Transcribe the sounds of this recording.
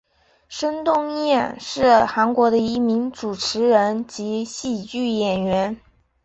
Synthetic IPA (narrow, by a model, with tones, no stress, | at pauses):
ʂə˥nŋt̪ʊ˥˧ŋjɛ˥˩nʂɻ̩˥˩xa˧˥nkwɔ˧˥ɾə˧i˧˥mi˧˥ŋʈ͡ʂu˨˩ʈ͡ʂʰɻ̩˧˥ɻə˧˥nt͡ɕi˧˥ɕi˥˧t͡ɕy˥˩jɛ˨˩nɥɛ˧˥n